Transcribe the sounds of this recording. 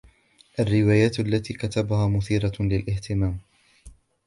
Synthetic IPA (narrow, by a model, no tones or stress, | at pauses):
ʔarːɪwaːjaːt̪ʔalːat̪iːkat̪abahaːmʊθiːɾalɪlʔɪht̪ɪmaːm